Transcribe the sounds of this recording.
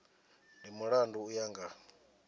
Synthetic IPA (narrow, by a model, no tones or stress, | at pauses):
ndimuɺanduːjaŋɡa